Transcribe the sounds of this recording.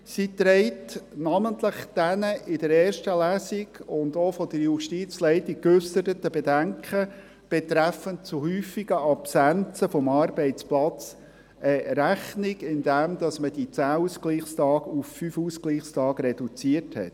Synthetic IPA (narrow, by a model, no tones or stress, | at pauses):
sit̪ɾɛɪtnɑməntləχd̥ɛnəʔɪdəɾɛːɾʃtəlæːsiɡʊndofɔd̥əɾjuʃtit͡slɛɪtɪkʉsəɾətəbedæŋkχə | b̥ɛt̪ɾæfəntt͡suɦyːfiɡəɑpsænt͡səfɔmɑːɾbɛɪt͡splɑt͡s | əɾæχnɪɡɪnd̪æmd̥̪ɑsməd̥it͡sæːuːskliːχstɑːɡuffyfuːskliːχstɑːɡɾɛd̥ut͡siəthɛ̰t